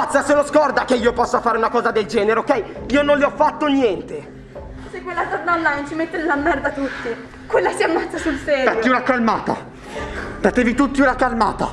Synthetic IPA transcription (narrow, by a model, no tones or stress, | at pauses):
at̪sːaseloskɔrd̪akeiːopɔsːafaːɾeunakɔːzad̪eld͡ʒɛːneɾeokɛjiːononliɔfːat̪ːonjɛnt̪e | sekwelːasad̪anːajnt͡ʃimet̪ːelamːɛrd̪at̪ut̪ːi | kwelːasiamːat̪sːasulsɛːɾajoiunakalmaːt̪a̰ | t̪at̪ːevit̪ut̪ːiunakalma̰ːt̪a̰